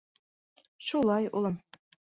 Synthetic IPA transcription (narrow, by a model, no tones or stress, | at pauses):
ʃulˠɑjṵlˠɤ̆m